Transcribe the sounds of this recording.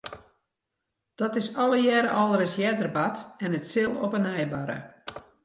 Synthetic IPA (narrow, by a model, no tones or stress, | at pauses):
d̥ɔtɪsɔlˠəjɛɾəʔɔlˠəɾɪsjɛdərbatɛnətsɪlˠɔpənɛjbaɾə̰